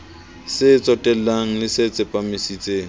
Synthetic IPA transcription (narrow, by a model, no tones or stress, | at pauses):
sɪt͡sʼɔtʼɛllaŋ̩lɪsɪt͡sʼɪpʼamɪsit͡sʼeːŋ̩